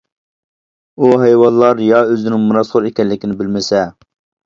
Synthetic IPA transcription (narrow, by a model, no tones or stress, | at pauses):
uɦejwɑnlːˠɑɾjɑøzɪnɪŋmunɑsχʊɾekʲɛlːɪkʲinɪbɪlmɪsɛ